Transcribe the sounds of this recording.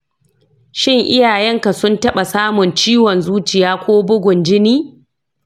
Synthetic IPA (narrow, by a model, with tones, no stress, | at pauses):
ʃɪ˦ŋʔɪ˦jaː˨jɛ˦ŋka˨sʊ˦ntɐ˦ɓa˨saː˦mʊ˨nt͡ʃiː˦wɔ˨nzuː˦t͡ʃɪ˨jaː˦kʷoː˦bʊ˦ɡʷʊ˨nd͡ʒɪ˦niː˦